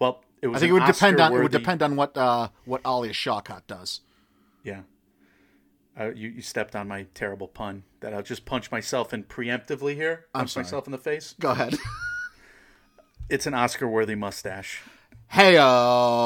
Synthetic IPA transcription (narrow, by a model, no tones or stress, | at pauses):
wɛlˠ | ɨt̚ɪθɪ̃ŋkt̚wɨdɨpʰɛ̃ndn̩ɪwədɨpʰɛ̃ndn̩wʌt̚ʌwʌɾʔɑlˠiɨʃɑkʰɑ̰t̚d̥ʌz̥ | jæ | ajɨjɨstɛp̚tn̩maɪtʰɛɹɨbl̩ˠpʰʌ̃nðɨɾaɪlˠd͡ʒʌspʰʌ̃nt͡ʃmaɪsɛlˠfɨ̃npʰɹ̥iɛ̃mp̚tɨvlihiɹãnmmaɪsɛlˠfn̩ðəfeɪsɡ̥oʊəɦɛd̥ | ɨtsɨ̃nɑskə˞wɜ˞ðimʌstæʃ | heɪʌ